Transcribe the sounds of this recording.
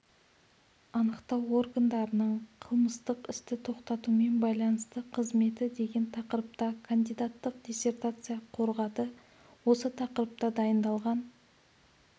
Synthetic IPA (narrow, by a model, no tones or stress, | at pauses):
ɑnəqt̪ɑwo̞rɡand̪ɑɾənəɴqʰəlˠməst̪əqɪst̪ɪt̪ʰo̞qt̪ɑt̪ume̞nbɑjlˠɑnəst̪əqʰəzme̞t̪ɪd̪e̞ɡʲe̞nt̪ʰɑqəɾəp̚t̪ɑkʰand̪ijd̪at̪ːəq̚d̪ʲesʲe̞rt̪at̪sɨjɑqʰo̞ɾʁɑt̪ə | wo̞sət̪ʰɑqəɾəp̚t̪ɑd̪ɑjənd̪ɑlˠʁɑn